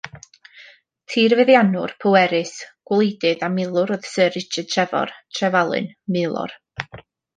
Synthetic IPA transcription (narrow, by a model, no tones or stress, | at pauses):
tʰiːrvɛðjanʊrpʰɔwɛɾɨsɡ̥wlˠejdɨðamɪlˠʊɾɔð̥səɾɪt͡ʃɨtʰrɛvɔ̰rtʰrɛvalˠɨ̰nmɪlˠʊ̰r